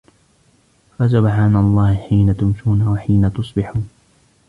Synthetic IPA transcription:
fas̬ʊbħaːnalˤːɑːhɪħiːnat̪ʊmʃuːnawaħiːnat̪ʊsˤbɪħuːn

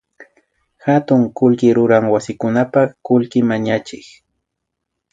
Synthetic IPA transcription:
xat̪ʊŋkʊlkɪɾʊɾaŋwasɪkʊnapaχkʊlkɪmaɲat͡ʃɪk

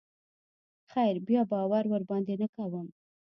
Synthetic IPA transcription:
xajɾbjɑbɑwaɾwəɾbɑnd̪enakawəm

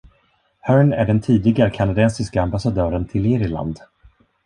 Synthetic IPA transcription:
hœɹnæɖɛnt̪ʰiːd̪ɪɡaɾkʰanad̪ɛnsɪskaambasad̪œːɾənt̪ʰɪlɪːɾɪla̰nd̪

